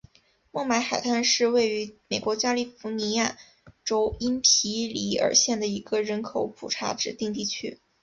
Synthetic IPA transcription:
mɔ˥˩ŋma˧˥ɪxa˨˩ɪt̪ʰa˥˧nʂɻ̩˥˧we˥˩ɪy˧˥me˨˩ɪkwɔ˧˥t͡ɕja˥li˥˩fu˧˥ni˧˥ja˥˩ | ʈ͡ʂo˥ʊi˥npʰi˧˥li˧˥ə̰˞˨˩ɕjɛ˥˩nd̪ə˩i˧˥ɡə˧ɻə˧˥nkʰo˨˧˩ʊpʰṵ˨˩ʈ͡ʂʰa̰˧˥ʈ͡ʂɻ̩˨˩t̪i˥˧ŋt̪i˥˩t͡ɕʰy˥

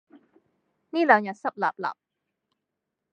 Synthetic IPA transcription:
niː˥˩la˨˩˦ŋɲa˨˩sa˧˩p̚la̰˨˩p̚la̰˨˩p̚

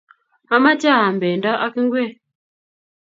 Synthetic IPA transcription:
a˦ma˦ta˦˨a˨m˨bɛ˨n˦da˦ʔa˦ki˦ŋ˦ɡwe˦˨

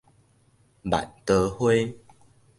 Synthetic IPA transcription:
ba̰˨nt̪ə˧hwe˦

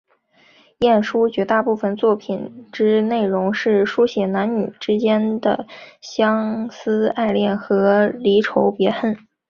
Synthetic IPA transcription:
jɛ˥˩nʂu˥t͡ɕɥɛ˧˥t̪a˥˧pu˥˩fə˨˩nt͡swɔ˥˩pʰi˨˩nʈ͡ʂɻ̩˥ne˥˩ɪɻʊ˧˥ŋʂɻ̩˥˩ʂu˥ɕjɛ˧˥na˧˥nny˨˩ʈ͡ʂɻ̩˥t͡ɕjɛ˥nd̪ə̰˩ɕjɑ˥ŋsɹ̩˥a˥˧ɪljɛ˥˩nxɤ˧˥li˧˥ʈ͡ʂʰo˧˥ʊpjɛ˧˥xə˥˩n

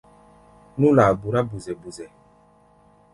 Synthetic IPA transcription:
nu˦la˨bu˨ɾa˦bu˨zɛ˨bu˨zɛ˨

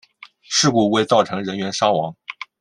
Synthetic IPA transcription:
ʂɻ̩˥˧ku˥˩we˥˧ɪt͡sɑ˥˩ʊʈ͡ʂʰɤ˧˥ŋɻə˧˥nɥɛ˧˥nʂɑ˥ŋwɑ˧˥ŋ

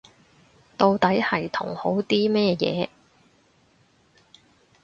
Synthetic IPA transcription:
t̪o˧wt̪ɐ˨˥jhɐ˨˩jt̪ʰʊ̰˨˩ŋho˨˥wt̪iː˥mɛː˥jɛ̰ː˨˧

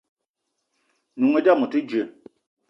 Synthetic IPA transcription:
nu˨ŋe˨˦da˦˨mu˨ti˦d͡ʒe˨

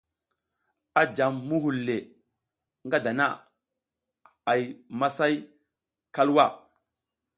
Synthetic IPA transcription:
a˨d͡ʒa˨mːu˦ɦu˨lːe˨ | ŋɡa˦da˨na˦˨ | a˨jma˦sa˦j | ka˦lwa˦˨

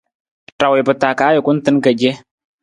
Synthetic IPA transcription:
ta˨wɛ˨pə˨taː˨kaː˨˦ʊ˨ku˦n̩˦tɨ˦nkə˨d͡ʒɛ˦

